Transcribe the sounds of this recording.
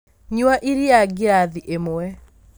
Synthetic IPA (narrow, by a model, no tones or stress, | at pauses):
ɲwaʔiɾiaɡeɾaðiʔemoɛ